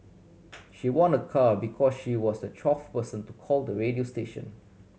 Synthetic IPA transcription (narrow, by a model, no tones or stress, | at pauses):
ʃiwɔ̃nəkʰabikʰɔsʃiwɔsdət͡ʃʰɹɔfpəsə̃ntukʰɔldəɹediosteʃə̰̃n